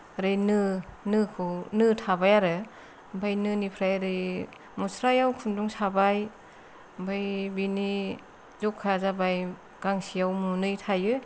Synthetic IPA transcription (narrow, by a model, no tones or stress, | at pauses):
ɾɯjnɯnɯkʰɯnɯtʰabajaɾɯ | bajnɯnipʰɾajɾɯj | musɾajawkʰunduŋsabaj | bajbini | zɔkʰazabaj | ɡ̥aŋsijawmunɯjtʰajɯ